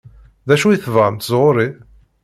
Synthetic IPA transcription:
ðæʃuiθvʁəmt̪əzˤʁʊɾi

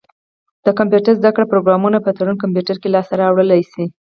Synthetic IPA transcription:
dd̪̥əkampjuʈaɾzd̪akɽapɾoɡɾɑmunapət̪aɽunkamp̬juʈaɾkelɑsaɾɑːwɽəlajsi

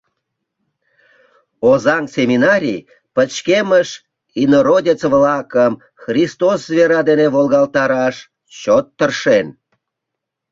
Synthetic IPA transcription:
ozɑŋsʲemʲinɑɾʲij | pət͡ɕkeməʃ | inoɾodʲit͡səvlɑkəm | xrʲist̪oszveɾɑd̪enevolɣɑlt̪ɑɾɑʃ | t͡ɕot̪ːərʃen

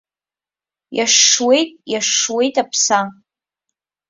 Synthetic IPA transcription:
jaʂːwe̞jtʼjaʂːwe̞jtʼapʰsa

